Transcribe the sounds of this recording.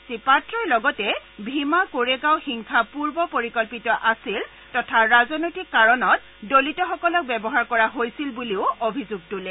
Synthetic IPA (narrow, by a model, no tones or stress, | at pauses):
sipatɹɔɹlɔɡɔtɛbʱimakoɹeɡaʊxiŋkʰapuɹbɔpoɹikɔlpitɔʔasil | tɔtʰaɹazɔnojtikːaɹɔnɔt̚ | dolitɔxɔkɔlɔk̚bɛbɔɦaɹkɔɹaɦojsilbuliʊobʱizuɡ̚tulɛ